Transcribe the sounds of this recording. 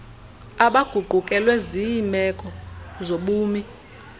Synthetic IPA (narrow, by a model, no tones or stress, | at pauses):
aɓaɡ̥ʱuɡ͡ǃʱukʼɛlweziimɛkʼɔzoɓuːmi